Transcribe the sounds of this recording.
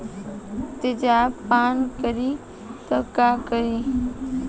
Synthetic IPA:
t̪ɪd͡ʑaːpaːnkəɾiː | t̪əkaːkəɾiː

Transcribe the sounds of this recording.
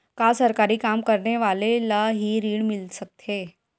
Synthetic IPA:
kasəɾkaɾiːkamkəɾɳeʋalelaɦiːɾiːɽmilsək̚t̪ʰe

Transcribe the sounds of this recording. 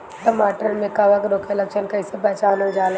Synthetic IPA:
ʈəmaːʈəɾmẽkaʋəkɾoːkeləkʃənkɐɪsepɛɦt͡ʃaːnod͡ʒaːl

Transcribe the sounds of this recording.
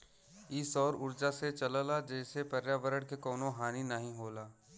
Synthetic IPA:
ɪsɔːɾʊɾd͡ʒaset͡ʃɐləlad͡ʒɛːsepɐɾjaʋəɾəɽ̃kekɔːnõɦaːninəɦĩɦoːlaː

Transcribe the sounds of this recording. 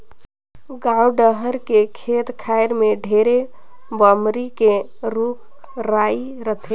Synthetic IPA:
ɡauɖəɦəɾkekʰet̪kʰaeɾmeɖʱeɾe | bəmɾike | ɾuk | ɾai | ɾət̪ʰe

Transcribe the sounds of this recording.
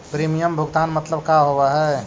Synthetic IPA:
pɾimijəmbʱuɡt̪anmət̪ləbkaɦobɛɦɛ

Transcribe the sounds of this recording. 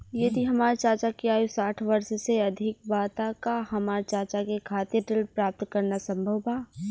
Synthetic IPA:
jed̪ʱiɦɐmaːɾt͡ʃaːɾt͡ʃakiaːjusaːʈʰʋɐɾʃseɐd̪ʱɪk̚baːt̪akahɐmaːɾt͡ʃaːɾt͡ʃakekʰaːt̪jeʈɪlpɾaːp̚t̪kɐɾnasɐ̃mbʱəwbaː

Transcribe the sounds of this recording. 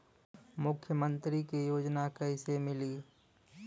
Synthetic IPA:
mʊkʰːjəmə̃nt̪ɾikejoːd͡ʒnakəɪsemɪliː

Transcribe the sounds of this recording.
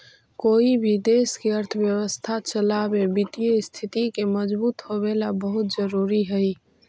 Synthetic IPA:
koibʱid̪eskeəɾt̪ʰəbjəwəst̪ʰat͡ʃəlabebit̪ijest̪ʰit̪ikeməd͡ʒbuːt̪ɦoβelabəɦut̪̚d͡ʒəɾuɾiɦəj

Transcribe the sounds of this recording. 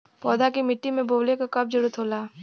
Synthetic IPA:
pɔːd̪akimɪʈːimẽboːlekakɐb̚d͡ʒʊɾut̪ʰɦoːlaː

